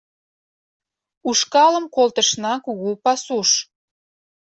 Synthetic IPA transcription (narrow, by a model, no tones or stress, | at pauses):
uʃkɑləmkolt̪əʃnɑkuɣupɑsuʃ